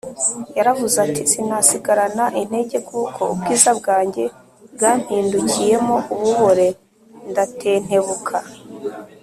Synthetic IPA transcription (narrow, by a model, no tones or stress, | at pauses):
jaɾavuzatisinasiɡaɾanaʔin̥e̞ɟe̞kuːkʰo̞̰ṵb̚ɡiːzab̚ɡaːɲɟe̞ | bɡaːm̥hiːnducije̞mo̞ʔuβuβo̞ɾe̞ | ndatʰe̞ːn̥he̞βukʰa